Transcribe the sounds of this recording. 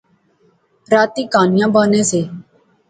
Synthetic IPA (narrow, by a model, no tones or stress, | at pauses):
ɾaːt̪iːkaːnɪjãːbaːnẽːseː